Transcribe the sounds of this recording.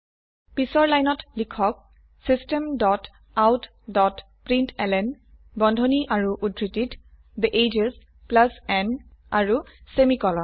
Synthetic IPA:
pisɔɹlajnɔtlikʰɔk̚ | sistɛmdɔt | awt | dɔt | pɹintʰɛlɛn | bɔndʱoniʔaɹuʔudɹitit | d̪əʔed͡ʒes | plasɛna̰ɹusemikɔlɔ

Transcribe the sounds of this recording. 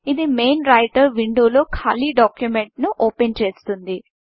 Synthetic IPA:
id̪ime̞ːnɾɐjʈɐɾʋiɳɖoːlo̞ːkʰa̰ːliɖaːkjumeɳʈnuʔoːpent͡ʃe̞ːst̪und̪i

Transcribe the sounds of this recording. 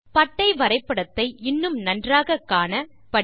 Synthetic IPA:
pɐʈːɐɪʋɐɾɐɪpːɐɽɐt̪ːɐɪɪnːɯmnɐndraːɣɐkːaːnɐ | pɐ

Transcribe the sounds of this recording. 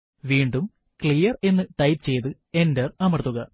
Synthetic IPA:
ʋiːɳɖum | kɭijɐre̞nːɨʈɐjpt͡ɕe̞jt̪ɨ | e̞ndɐrɐmɐt̪ːuɣɐ

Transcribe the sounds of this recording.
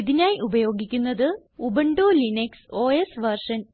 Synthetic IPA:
iðinaːjʔubɐjo̞ːɡikʲːunːɐðɨubɐɳɖoːlinekso̞ːesʋɐrʂɐn

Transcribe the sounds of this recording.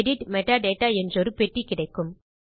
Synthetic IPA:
ɽɪʈmɛʈːaːɖeːʈːaːɛndrɔɾɯpɛʈrikɪɽɐɪkːɯm

